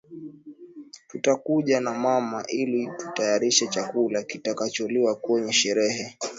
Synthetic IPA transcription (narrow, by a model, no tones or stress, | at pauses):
tutakuʄanamamaʔilitu̥tajaɾiʃɛt͡ʃakulakitakat͡ʃɔliwakwɛɲɛʃɛɾɛhɛ